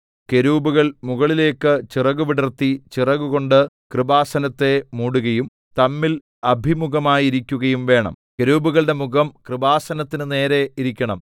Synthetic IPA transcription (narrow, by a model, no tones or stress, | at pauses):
ke̞ɾuːbuɣɐɭmuɣɐɭile̞ːkːɨt͡ɕirɐɣuʋiɽɐrt̪ːit͡ɕirɐɣuɣo̞ɳɖɨ | krɨbaːsɐnɐt̪ːe̞muːɽuɣɐjum | t̪ɐmːil | ɐbʱimuɣɐmaːjiɾikʲːuɣɐjumʋe̞ːɳɐ̰m | ke̞ɾuːbuɣɐɭɖe̞muɣɐmkrɨbaːsɐnɐt̪ːinɨne̞ːɾe̞iɾikʲːɐɳɐ̰m